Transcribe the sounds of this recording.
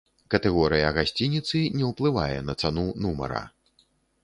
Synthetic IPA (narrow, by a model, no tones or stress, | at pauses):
kɐt̪ɛɣɔɾɨjɐɣasʲt͡sʲinʲit̪sɨnʲɛwplˠɨva̰jɛnɐt̪sanunumɐ̰ɾɐ̰